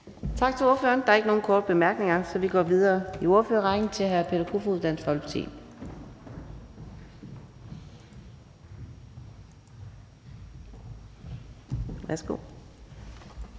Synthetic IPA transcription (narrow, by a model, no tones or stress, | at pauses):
t͡sʰɑ̈ɡ̥t͡sʰe̝o̝ɐfø̰ːɐnd̥ɑ̈ɐeɡ̥əno̝ːn̩kʰɒːd̥əb̥e̝mæɐɡ̥ne̝ŋɐsɒ̽ʋiɡ̥ɒ̰ːʋið̞ˠɐːio̝ɐføːɐʁɑ̈ɪɡnt͡sʰe̝ɦæɐpʰe̝dɐkʰufuðˠd̥æn̰̥sɒ̽l̰pʰt͡sʰḭːm | ʋæɐsɡ̥o̝̰ː